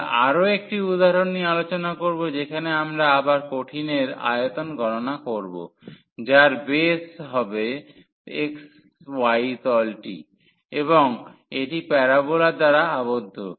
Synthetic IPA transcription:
a̰ɾoek̚ʈiud̪aɦaɾonːialot͡ɕonakoɾbod͡ʑekʰaneamɾaabaɾkoʈʰineɾa̰jet̪onɡʱɔnonakoɾbo̰ | d͡ʑaɾbesɦɔbe | eks | wajt̪ɔlʈḭ | eβoŋeʈipɛɾabolad̪aɾaabod̪ʱːo

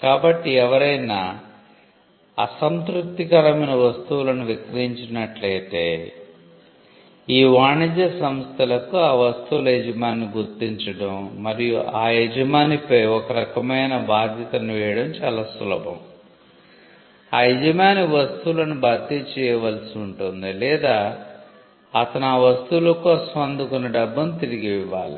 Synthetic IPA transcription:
kaːbɐʈːiɛʋɐɾɐjnɐ̰ | ɐ̰sɐnt̪ɾut̪ːikɐɾɐmɐnɐʋɐst̪uwulɐnuʋikɐiɲt͡ʃinɐʈlɐjt̪eː | iːʋaːɳid͡ʒɐsɐmst̪ʰɐlɐkuaːʋɐst̪uwulɐed͡ʒɐmaːnːiɡʱuɾt̪ːiɲt͡ʃɐɽɐmmɐɾijuʔaːɛd͡ʒɐmaːnipɐjɔkɐɾɐkɐmɐjnɐbaːd̪ʱjɐt̪ɐnuʋɛːjɐɽɐmt͡ʃaːlaːsṵlɐ̰bɐ̰m | aːɦed͡ʒɐmaːniʋɐst̪ulɐnubʱaːt̪it͡ʃɛːjɐʋɐlsiuɳʈund̪ilɛːd̪aː | ɐt̪ɐnuaːʋɐst̪ulɐkusʋɐnd̪ʱukunːɐɖɐbːɐmt̪iɾiɡiʋiʋa̰ːɭḭ

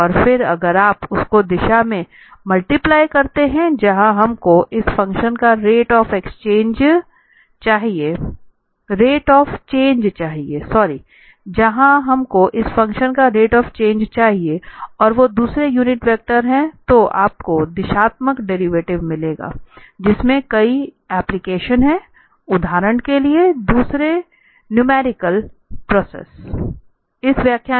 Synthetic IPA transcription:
ɔːɾfɪɾɐɡəɾaːpʊskod̪ɪʃamẽ | mɐlʈɪplaːɪkɐɾt̪eɦɛ̃d͡ʒɐɦãɦɐmkoʔɪsfɐ̃ŋkʃənkaɾeːʈɔːfekst͡ʃẽːnd͡ʒ | t͡ʃaːɦieː | ɾeːʈɔːft͡ʃẽːɲd͡ʒt͡ʃaːɦiesɔːɾi | d͡ʒɐɦãɦɐmkoʔɪsfɐ̃ŋkʃənkaɾeːʈɔːft͡ʃẽːnd͡ʒt͡ʃaːɦieɔːɾʋod̪uːsɾejuːnɪʈʋɛːk̚ʈəɾɦɛ̃t̪oʔa̰ːp̚kod̪ɪʃaːt̪məkɖɛɾiʋeːʈɪʋmɪleːɡa̰ːd͡ʒɪsmẽkɐi | ɛːplɪkeːʃənɦɛ̃ | ʊd̪ʱaːɾəɳ̃kelied̪uːsɾe | njʊmɛːɾɪkəlpɾɔːsḛːs | ɪsʋjaːkʰja

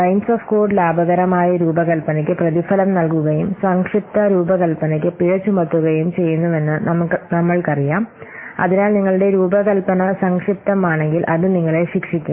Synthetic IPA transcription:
ʈɐjnsoːfko̞ːɖlaːbɐɣɐɾɐmaːjɐɾuːbɐkɐlpɐnɐkʲːɨprɐðifɐlɐmnɐlkuɣɐjumsɐŋkʂip̚t̪ɐɾuːbɐkɐlpɐnɐk̬ʲːɨpiɻɐt͡ɕːumɐt̪ːuɣɐjumt͡ɕe̞jːunːuʋe̞nːɨnɐnɐmːɐɭkɐrijaːmɐ̰ðinaːlniŋːɐɭuɽe̞ɾuːbɐkɐlpɐnɐsɐŋkʂip̚t̪ɐmaːɳe̞ŋɡilʔɐðɨniŋːɐɭeɕikʂikʲːu

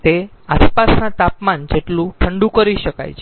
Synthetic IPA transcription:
t̪e | aspasnãt̪apmand͡ʒeʈlũʈʰəɳɖũkəɾiʃəka̰jt͡ʃʰ

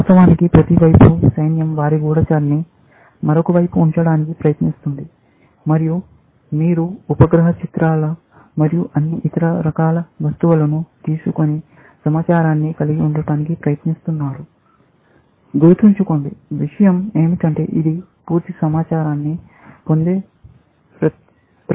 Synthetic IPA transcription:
ʋaːst̪ɐʋaːnikipɾɐt̪iʋɐjpusɐjnjɐmʋaːɾiɡuːɽɐt͡ʃaːɾni | mɐɾokɐʋɐjpuːɲt͡ʃɐɽaːnikipɾɐjɐt̪nist̪und̪i | mɐɾiju | miːɾuupɐɡɾɐɦɐt͡ʃit̪ɾaːlɐ | mɐɾijuʔɐnːiʔt̪ɐɾɐɾɐkaːlɐʋɐst̪uʋɐlɐnut̪iːsukoni | sɐmaːt͡ʃaːɾaːnːikɐliɡiuɳɖɐɽaːnikipɾɐjɐt̪nist̪unːaːɾu | ɡ̪uɾut̪iɲt͡ʃukoɳɖiʋiʂɐjɐme̞ːmiʈɐɳʈe̞̰ːʔid̪i | puːɾt̪isɐmaːt͡ʃaːɾaːnːi | po̞nd̪eː | ɐ

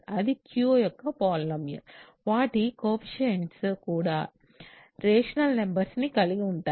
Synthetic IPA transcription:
ɐd̪ikʰjuoːjɔkːɐpaːlnɐmjɐ̰ | ʋaːʈikoːpʃɐɐnskuːɽaː | ɾeːʂɐnɐlmembɐɾsnikɐɭiɣiʊɳʈː

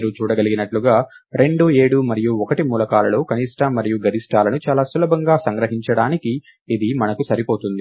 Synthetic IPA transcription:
ɾut͡ʃuːɽɐɡɐliɡinɐʈluɡaː | ɾe̞ɳɖue̞ːɽumɐɾijuɔkɐʈimuːlɐkaːlɐlo̞ːkɐniːʂʈɐmːɐɾijuɡɐɾiʂʈaːlɐnut͡ʃaːlaːsulɐbɐŋɡaːsɐŋɡɾɐɦiɲt͡ʃɐɽaːnikiː | d̪imɐnɐkusɐɾipo̞ːt̪und̪i

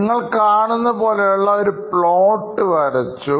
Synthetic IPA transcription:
ŋːɐɭkaːɳunːɐpo̞ːlejuɭːɐoɾupɭoːʈːɨʋɐɾɐt͡ɕːu

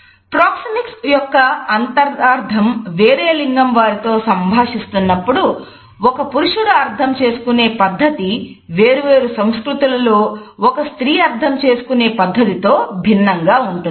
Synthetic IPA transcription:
pɾaːksɐmiksjɔkːɐɐnt̪ɐɾaːɾd̪ʰʱɐmʋe̞ːɾeːliŋɡɐmʋaːɾit̪o̞ːsɐmbʱaːʂist̪unːɐpːuɽu | ɔkɐpuɾuʂuɽuɐɾt̪ʰɐmt͡ʃe̞ːsu̥kune̞ːpɐd̪ʱːɐt̪i | ʋe̞ːɾuʋe̞ːɾusɐmskɾut̪ulɐlo̞ːɔkɐst̪ɾiːɐɾt̪ʰɐmt͡ʃe̞ːsu̥kune̞ːpɐd̪ʱːɐt̪it̪o̞ːbʱinːɐŋɡaːuɳʈun

